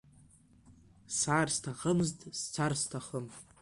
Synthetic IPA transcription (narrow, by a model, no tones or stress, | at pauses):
saːrstʰaχəmztʼst͡sʷʰarstʰaχəm